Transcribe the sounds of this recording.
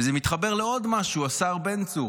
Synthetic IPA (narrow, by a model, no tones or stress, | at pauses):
zemit̪χabe̞ʁleo̞d̪maʃuasaʁbent͡su